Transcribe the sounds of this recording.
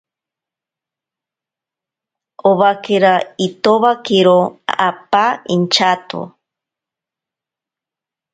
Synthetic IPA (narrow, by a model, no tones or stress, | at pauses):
oβakeɾait̪oβakiɾoapaint͡ʃat̪o̰